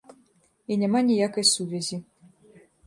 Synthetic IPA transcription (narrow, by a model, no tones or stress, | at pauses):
inʲamanʲijakɐjsuvʲɛzʲi